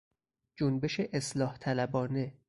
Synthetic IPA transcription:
d͡ʒonbe̞ʃeʔeslɒːht̪ʰælæbɒːne̞

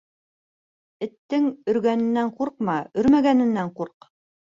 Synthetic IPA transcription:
ɘ̆t̪ːɘŋɵ̆ɾɡænɘ̆nːæɴquɾqmɑɵ̆ɾmæɡænɘ̆nːæɴquɾq

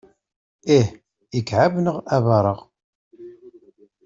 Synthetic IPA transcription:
ih | ikːʕavnəʁævɑɾˤəʁ

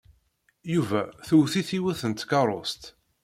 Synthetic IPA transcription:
juvæθuwθiθiwæθənt̪kɑɾˤo̰st̪

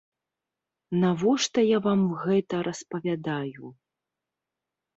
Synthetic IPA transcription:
navɔʂt̪ɐjavamɣɛt̪ɐɾʔɐspɐvʲad̪aju

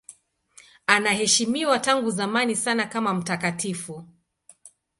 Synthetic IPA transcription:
anahɛʃimiwataŋɡuzamanisanakamam̩takatifu

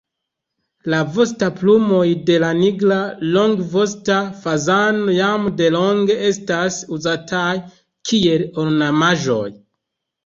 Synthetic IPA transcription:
lavo̞s̬taplumo̞jde̞laniɡlalo̞ŋɡvo̞stafazanojamde̞lo̞ŋɡe̞e̞stasuzataj | kʰie̞loɾnamaʒo̞̰j

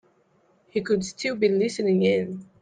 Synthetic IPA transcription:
hikʰɨdstʰɪlˠbilɪsɨnɪ̃ŋɪ̃n

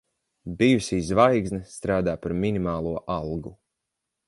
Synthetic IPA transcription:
bijusizvajɡznɨst̪ɾaːd̪aːpaɾminimaːlˠuɔʔalˠɡu

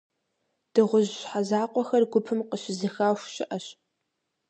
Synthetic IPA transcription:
d̥ɨʁʷʊʑɕħazaːqʷɔxɐrɡʷʊpʰɨmqəɕɪzɨxaːɕʷʃɪʔɐɕ

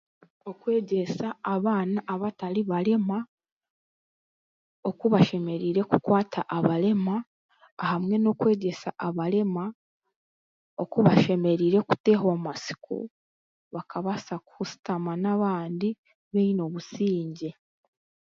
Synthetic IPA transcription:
o̞kwe̞ːɟe̞saːβaːnaʔːβataɾiβaɾe̞ma | o̞kuβaʃe̞me̞ɾiːɾe̞kukwaːtʰaʔaβaɾe̞maː | hamŋe̞no̞kwe̞ːɟe̞sa̰ʔaβaɾe̞ma | o̞kuβaʃe̞me̞ɾiɾe̞ku̥te̞ːhoamasi̥kʰo̰ | βakaβasakusi̥tamanaβaːndi | βeno̞βusiːɲɟe̞

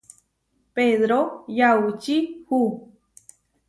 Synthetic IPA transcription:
peðɾojaut͡ʃihu

